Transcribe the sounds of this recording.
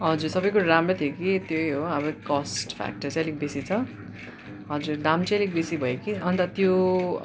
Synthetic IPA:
ɦʌd͡zuɾsʌbʌjkoɾɾamrʌt̪ʰjekit̪jojɦoʌbʌkʌsʈpʰa̰k̚ʈʌrt͡salik̚bisit͡sʰʌ | ɦʌd͡zuɾd̪amt͡salik̚bisibʱʌekiʌnt̪at̪jo

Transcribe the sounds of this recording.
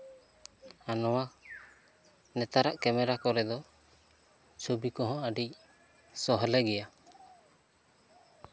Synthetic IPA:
anɔwa | nɛt̪aɾaʔkɛmɛɾakɔɾɛd̪ɔ | t͡ʃʰobikɔɦɔ̃əɖic̚ | sɔɦɔlɛɡɛja

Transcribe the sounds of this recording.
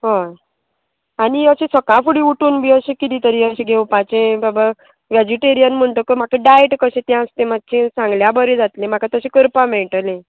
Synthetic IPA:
ɦo | aniəɕẽsəkafuɽiuʈuːnbʱiːəɕẽkit̪it̪əɾiəɕẽɡʱewpat͡ɕẽbaba | ʋed͡ʑiʈeɾijənm̤əɳʈəkəm̤akeɖajeʈkəɕẽt̪jãə̃st̪ẽmat̪̚t͡ɕʰẽsãŋɡljabəɾed͡zat̪lẽm̤akat̪əɕẽkəɾpameɭʈəlẽ

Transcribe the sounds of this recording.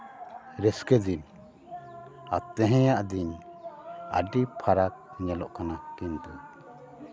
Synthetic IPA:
ɾɛskɛd͡ʒ̪in | at̪ːɛɦɛ̃jaʔd̪iɲ | aɖipʰaɾak̚ɲɛlɔʔkanakɛnd̪ɔ

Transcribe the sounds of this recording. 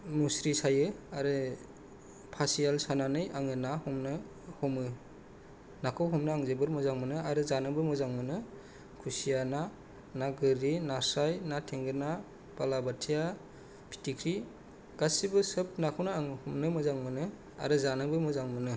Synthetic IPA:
musɾisajɯaɾɯ | pʰasijalsananɯjʔaŋɯnahɔmnɯ | hɔmɯ | nakʰɯwɦɔmnɯaŋzebɯɾmɯzaŋmɯnɯaɾɯzanɯbɯmɯzaŋmɯnɯ | kʰusijana | naɡɯɾinasajnatʰeŋɡɯna | b̥alabatʰija | pʰi̥tʰikʰɾi | ɡ̥asibɯsɯp̚nakʰawnaaŋɯhumnɯmɯzaŋmɯnɯ | a̰ɾɯzanɯbɯmɯzaŋmɯnɯ

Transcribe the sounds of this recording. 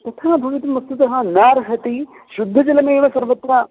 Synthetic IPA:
t̪ɐt̪ʰaːbʱɐʋit̪mɐst̪ut̪ɐɦɐnaːɾɦɐt̪i | ʃud̪ʱːɐd͡ʒɐlɐmeːʋɐsɐɾʋɐt̪ːɾaː

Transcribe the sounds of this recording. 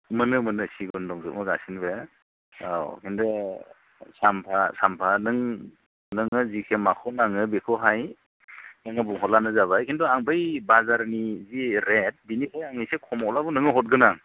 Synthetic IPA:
mɯnɯmɯnɯsiɡɔndɔŋzɯt̚mɯɡa̰sinbe | a̰wkʰindɯ | sampʰasampʰanɯŋ | nɯŋɯzikʰemakʰɔnaŋɯbekʰɯɦaj | nɯŋɯbuŋɦɔtlanɯzaβajkʰindɔaŋbʰajbazaɾniziɾet̚binikʰajaŋɯjsekʰɔmɔlabunɯŋɯɦɔt̚ɡɯnaŋ

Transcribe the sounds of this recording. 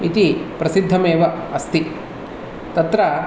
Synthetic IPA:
it̪ipɾɐsid̪ʱːɐmeːʋɐɐst̪i | t̪ɐt̪ɾɐ

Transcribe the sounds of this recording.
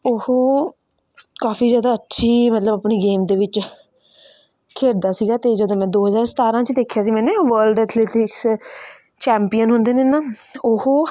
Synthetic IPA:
ʊhoː | kaːpʰiːzjaːd̪aːətːʃʰiːmət̪ləbəpɳeːɡeːmd̪eːʋɪt͡ʃ | kʰeːɾd̪aːsiːɡaːt̪eːd͡ʒəd̪õːmɛ̃ːd̪oːɦəzaːɾsət̪aːɾãːt͡ʃd̪eːkʰjaːsiːmɛ̃ːneːʋəlɖɛːt̪ʰleːtɪks | t͡ʃɛːmpijənɦʊnd̪eːneːnaː | ʊhoː

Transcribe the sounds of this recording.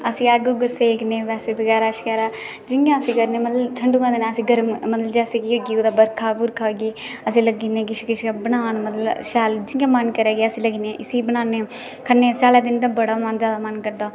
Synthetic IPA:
əsĩːɛːɡoɡəseːkneːʋɛːseːbəɡɛːɾaːʃɪkɛːɾaː | d͡ʒɪŋɡãːəsĩːkəɾneːməd̪llt̪ʰəɳɖuːkãnd̪eːnãːəsĩːɡəɾmməd̪əld͡ʒɛːseːkioɡiːoːd̪aːbəɾkʰaːbuɾkʰaːɡiː | əsĩːləɡiːnẽːɡɪʃkɪʃːbənaːnməd̪lʃɛːld͡ʒɪŋɡãːmənkəɾɛːɡeːəsĩːləɡiːneːʔɪsiːbənaːneː | kʰənːeːsaːleːd̪ɪnd̪ãːbəɽaːmənd͡ʒjaːd̪aːmənkəɾd̪aː

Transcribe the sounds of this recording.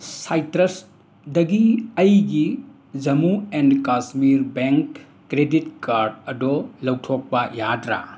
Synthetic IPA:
sajtɾɐs | dɐɡiɐjɡi | d͡ʒɐmuendkasmiɾbeŋkː | ɾeditkaɾdɐdɔlɐwtʰok̚pɐjadɾa̰

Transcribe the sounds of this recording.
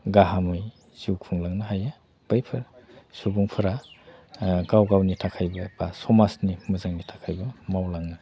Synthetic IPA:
ɡaɦamɯj | ziwkʰuŋlaŋnaɦaja | b̥ajpʰɯɾ | subuŋpʰɯɾa | ɡawɡawnitʰakʰajbɐbasɔmasnimɐzaŋnitʰḁkʰajbɐmawlaŋnɐ

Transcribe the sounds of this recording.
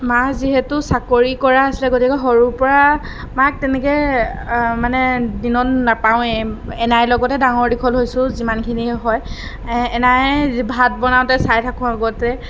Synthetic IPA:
maziɦɛtʊsakoɹikɔɹaːsilɛɡotikɛɦoɹupɔɹa | mak̚tɛnɛkɛ | manɛdinɔtnapawɛɛnajlɔɡɔtɛdaŋɔɹdikʰɔlɦojsʊ̃zimankʰiniɛɦɔj | ɛnajbʱat̚bɔnaʊ̃tɛsajtʰakʊ̃aɡɔtɛ

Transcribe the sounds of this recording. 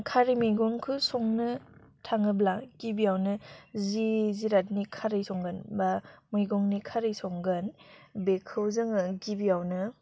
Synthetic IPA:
kʰaɾimɯjɡɔŋkʰɯsɔŋnɯtʰaŋɯblaɡ̥ibiawnɯziziɾat̚nikʰaɾɯjsɔŋɡɯnbamɯjɡɔŋnikʰaɾɯjsɔŋɡɯnbekʰɯwzɯŋɯɡibiawnɯ

